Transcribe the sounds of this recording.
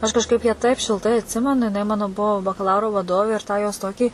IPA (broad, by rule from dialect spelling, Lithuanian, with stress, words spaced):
ɐʃ kɐʃˈkɐɪp jæː tɐɪp ʃʲɪlˠˈtɐɪ ɐtʲˈsʲɪmʲɛnʊ jɪˈnɐɪ ˈmɑːnoː ˈbʊʋoː bɐkɐˈlˠɐʊroː ʋɐˈdoːʋʲeː ɪr ˈtɑː joːs ˈtoːkʲiː